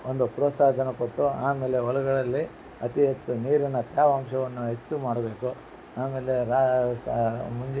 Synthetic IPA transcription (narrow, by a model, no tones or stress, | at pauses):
ond̪upɾɔsaːd̪ʱɐnɐkoʈːuaːmeːle̞ɔlɐɡɐɭɐlːi | ɐt̪iɦet͡ʃːuniːɾinːɐt̪jaːʋaːmʃɐʋɐnːuɦe̞t͡ʃːumaːɽɐbe̞ːku | aːme̞ːleɾasmuɲd͡ʒ